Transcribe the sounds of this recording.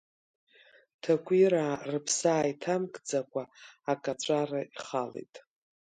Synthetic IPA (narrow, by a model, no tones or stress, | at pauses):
tʰakʷʰʼiɾarɨpʰsaːitʰamkʼd͡zakʷʼaːkʼat͡ʃʷʼaraiχalḛjtʼ